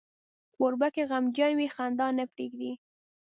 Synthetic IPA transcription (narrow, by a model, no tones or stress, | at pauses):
oɾbakeɣamd͡ʒanwixand̪ɑnəpɾḛɡd̪i